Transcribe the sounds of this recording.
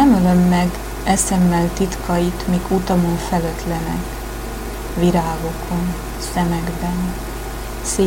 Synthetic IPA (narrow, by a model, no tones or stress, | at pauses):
ɛmølømːɛɡ | ɛsɛmːɛlt̪it̪kʰɒjit̪miːkʰut̪ɒmoɱfɛløt̪lɛnɛ̰k | ʋiɾaːɡo̞kʰo̞n | sɛmɛɡbɛn | seː